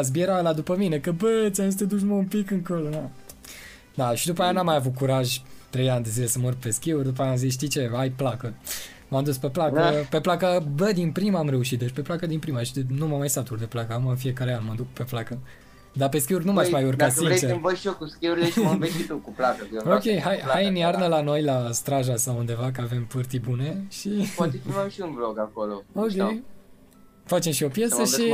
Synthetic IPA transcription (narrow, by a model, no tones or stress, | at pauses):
az̬bieɾaelad̪upəmine̞kəbət͡ʃʲanst̪ed̪ut͡ʃməumpikɨŋkolona | d̪aʃid̪upajanamːajavut̪̚kuɾaʒʲt̪ɾe̞janʲd̪e̞zile̞səmorpe̞skʲiurʲd̪up̬ajaamzisʃt̪it͡ʃe̞ajplakə | mamd̪uspeplakəpeplakəbəd̪inpɾiməamɾe̞uʃit̪̚d̪et͡ʃʲpeplakəd̪inpɾimaʃnumamajsat̪uɾd̪eplakəakuməɨnfije̞kaɾeanməd̪ukpe̞plakə | d̪ape̞skʲiurʲnumaʃmajurkasiet͡ʃeɨmvəʃiokuskʲiuɾileʃməmbesʃit̪ukuplakəkokʲe̞jɦajhajɨnjarnəlano̞jlast̪ɾaʒasawund̪e̞vak̬əave̞mpɨrt̪ibune̞ʃipat̪ekinaʃiunbloɡakolookʲej | fat͡ʃe̞mʃio̞pje̞səʃi